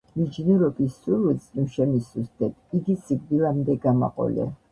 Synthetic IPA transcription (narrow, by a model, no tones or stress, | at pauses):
mid͡ʒnuɾɔbisuɾwisʼuʃɛmisust̪ʰɛt̪ʰiɡisiɡ̚d̪ilamd̪ɛɡama̰qʼɔ̰lɛ̰